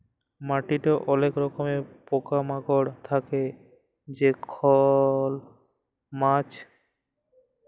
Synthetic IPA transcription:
maʈiʈaʔɔlekɾɔkomepokamaɡoɽt̪ʰake | d͡ʑekʰɔl | mat͡ɕ

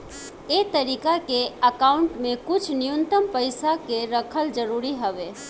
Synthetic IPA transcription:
eːt̪ɐɾiːkakeɐkaːʊɳʈmẽkʊt͡ʃʰnɪjʊnt̪əmpəɪsakeɾɐkʰəld͡ʒəɾuːɾiɦɐʋeː

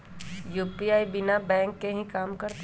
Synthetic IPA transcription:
juːpiaːibɪnabɛ̃ːŋkːeɦĩkaːmkɐɾt̪

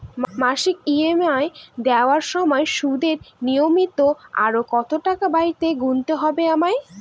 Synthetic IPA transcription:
mmaʃikiemaed̪ɛoaɾʃɔmɔeʃud̪eɾnijomit̪oa̰ɾokɔt̪oʈakabaiɾt̪eɡunt̪eɦɔbeamae

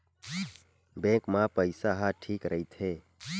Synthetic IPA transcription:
bɛ̃kmãpəjsaɦaʈʰiːkɾəit̪ʰe

